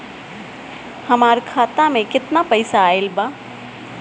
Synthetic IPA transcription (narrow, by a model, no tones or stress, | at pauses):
hɐmaːɾkʰaːt̪amẽkɪt̪napəɪsaːelbaː